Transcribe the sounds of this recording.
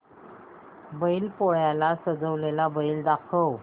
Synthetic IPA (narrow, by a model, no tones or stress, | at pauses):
bəiːlpoɭjalasəd͡zəʋlelabəiːld̪akʰəw